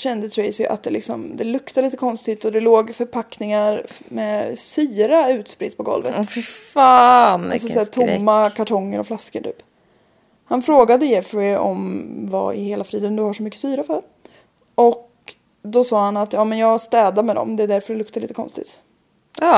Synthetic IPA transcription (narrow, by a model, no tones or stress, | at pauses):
ɕɛnd̪ət̪ʰɾɛɪsj̰ʔa̰t̪̚d̪ɛlɪ̰ksɔ̰md̪ɛlɵkt̪aliːt̪əkʰɔnst̪ɪt̪ɔd̪ɛloːɡfœɾpʰaknɪŋaɾmɛsyːɾaʉ̟ːt̪spɾɪt̪ːpʰɔɡɔ̰lvə̰ffaːna̰lsɔsæːʈʰʊmːakʰaʈʰɔŋːəɾɔflaskəʈʰy̰ːp | hanfɾoːɡad̪əjɛfɾɪɔ̰mva̰ɪ̰heːlafɾiːd̪ənd̪ɵhaʂɔmʏkːə̥syːɾafœɾ | ʔɔk | d̪ɔsɑːhanat̪jɑːmɛnjɑːɡst̪ɛːd̪amɛd̪ɔ̰md̪ɛːd̪æɾfœɖɛlɵk̚t̪aɭiːt̪əkʰɔ̰nst̪ɪ̰t̪ː